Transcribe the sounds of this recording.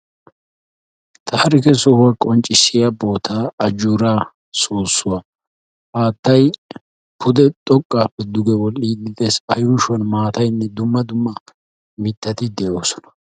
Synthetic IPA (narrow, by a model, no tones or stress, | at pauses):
t̪ʰɐhɾɪkɛsɔhwɐkʼɔnt͡ʃʼːɪsːɪjɐboːt̪ʰaːɐd͡ʒuːɾaː | soːsːʊwa | haːt̪ːɐj | pʊd̪ɛt̪ʼɔkʼːaːpːɛd̪ʊɡɛwɔlːiːd̪ɪd̪eːsɐjuːʃwɐnmaːt̪ɐjnːɛd̪ʊmːɐd̪ʊmːɐ | mɪt̪ːɐt̪ɪd̪ɛʔo̞ːsɔ̥nɐ̥